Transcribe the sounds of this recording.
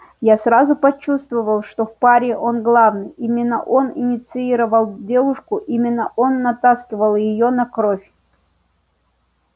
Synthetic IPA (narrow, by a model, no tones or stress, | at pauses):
jasrazʊpɐt͡ɕːust̪vəvəlˠʂt̪ofpaɾʲɪʔo̞nɡlˠavnɨjʔimʲɪnːəʔo̞nɪnʲɪt̪sɨiɾəvəlˠdʲe̞lˠʊʂkʊʔimʲɪnːəʔo̞nːɐt̪askʲɪvəlˠjɪjonɐkɾofʲ